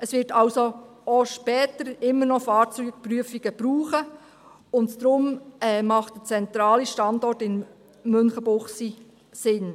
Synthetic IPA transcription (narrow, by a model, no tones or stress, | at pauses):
əsʋɪtʰɑlso | oʃpɛːtəɾɪmːəɾnɔfɑːt͡syk̚pɾyəfiɡ̥əb̥ɾuːχə | ʊntdɾʊmɛːmɑχtd̥ət͡sɛnt̪ɾɑːliʃtɑndɔrtɪn | mɵnχəbʊχsi | sɪn